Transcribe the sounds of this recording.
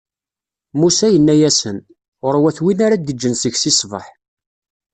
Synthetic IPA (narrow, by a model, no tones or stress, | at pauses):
musæjənːæjæsən | əɾˤwæθwinaɾad̪əd͡ʒːənsəʝsisˤvə̰ħ